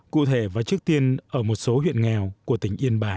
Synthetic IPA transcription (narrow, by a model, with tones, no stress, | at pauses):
kṵ˧˨t̪ʰe˧˩vaː˨˩t͡ɕɨ˦˥ək̚t̪i˧ənʔəː˧˩mo˨˩t̚so˨˦hwḭ˧˨ənŋɛ˨˩wku˧˩ə˩t̪ï˧˩ŋ̟ʔi˧ənɓaː˨˩